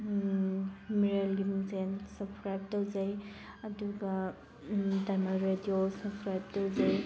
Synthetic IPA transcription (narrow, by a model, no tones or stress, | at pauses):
miɾelɡimzensɐpskɾajb̚tawd͡ʒaj | ɐduɡɐ | dajmaɾediosɐpskɾajb̚towd͡ʒaj